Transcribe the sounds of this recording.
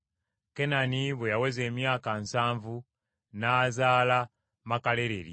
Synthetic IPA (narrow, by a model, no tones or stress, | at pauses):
kenaniβwejawezeːmjaːkansaːɱvu | nazaːla | makaleɾḛɾḭ